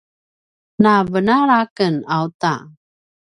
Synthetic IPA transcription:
nabənaɾakənawta̰

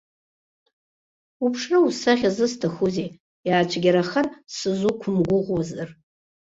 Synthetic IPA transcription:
upʰʂrɨusaʁʲazɨstʰaχʊze | jaːt͡ʃʷʰɡʲaɾaχansɨzukʷʰʊmɡʷʊʁʷwazar

